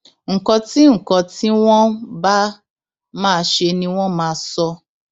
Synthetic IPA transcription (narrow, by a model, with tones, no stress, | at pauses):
ŋ̩˨kɔ̃˧ti˦ŋ̩˨kɔ̃˧ti˦w̃ɔ̃˦ba˦ | mãː˦˧ʃe˧nĩ˧w̃ɔ̃˦mãː˦˧˦sɔ˧